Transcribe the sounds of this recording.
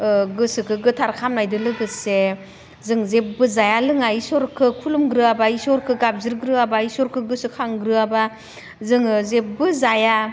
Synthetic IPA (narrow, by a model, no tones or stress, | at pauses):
ɡɯsɯkʰɯɡɯtʰaɾkʰamnajdɯlɯɡɯse | zɯŋzep̚bɯzajalɯŋaisɔɾkʰɯkʰulumɡɾɯabaisɔɾkʰɯɡap̚zɯɾɡɾɯabaisɔɾkʰɯɡɯsɯkʰaŋɡɾɯaba | zɯŋzep̚bɯzaja